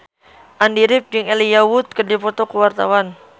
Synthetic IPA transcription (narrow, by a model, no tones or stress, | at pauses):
ʔandiɾɪp̚d͡ʒɨŋelijawut̪̚kərdipɔt̪ɔkəwart̪a̰wan